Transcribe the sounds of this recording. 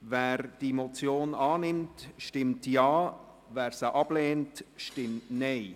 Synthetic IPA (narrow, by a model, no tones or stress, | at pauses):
vɛːɾd̥imot͡sjoːnɑːnɪmtʃtɪmtjɑː | vɛːɾsəʔɑb̥leːntʃtɪmtnɛɪ